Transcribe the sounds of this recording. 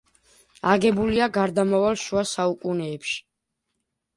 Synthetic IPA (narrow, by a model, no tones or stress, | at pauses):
aɡɛbuliaɡaɾd̪amavalˠʃuasaukʼunɛːpʃi̥